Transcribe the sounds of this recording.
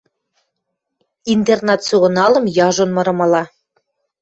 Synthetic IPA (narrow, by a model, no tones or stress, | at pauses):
int̪ernɑt̪suʁɤ̆nɑlɤ̆mjɑʒonmɤ̆ɾɤ̆mɑlɑ